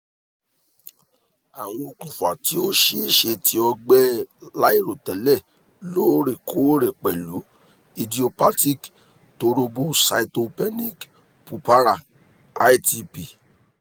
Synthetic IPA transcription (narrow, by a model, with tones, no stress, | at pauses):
a˨w̃ɔ̃˧o˧k͡pũ˨fa˨ti˨˦o˦ʃe˦˨ʃe˧tʰi˧ɔ˧ɡ͡bɛ˦la˦i˦˨ɾo˨tɛ˨lɛ˦˨ | lo˦˨˦ɾe˨kʰo˦ɾɛ˨k͡pɛ˨lu˨˦ | i˧di˧o˧pa˦ti˦˨k | to˧ɾo˧bo˦sa̰˧i˧to˧pɛ˦nĩ˦˨k | pu˨pa˦ɾa˦˨ | a˦i˦ti˧pi˨